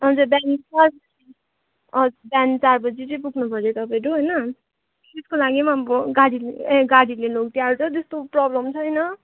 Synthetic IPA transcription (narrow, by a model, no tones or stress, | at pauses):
ʌd͡zʌbjant͡sarsʌd͡zi | ʌd͡zubant͡sarbʌd͡zit͡sʌĩpuɡʱnupʌɾjot̪ʌpãɾuɦojnʌ | t̪eskolaɡimaboɡaɽileẽɡaɽilelokt̪jaɾt͡sʰʌt̪est̪oprʌblʌmt͡sʰʌjnʌ